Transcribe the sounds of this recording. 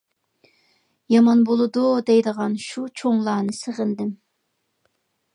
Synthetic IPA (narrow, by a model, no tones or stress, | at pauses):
jɑmɑnbolˠɨd̪ud̪ɛjd̪əʁɑnʃut͡ʃʰoŋlˠɑːnɨsəʁənd̪ɪm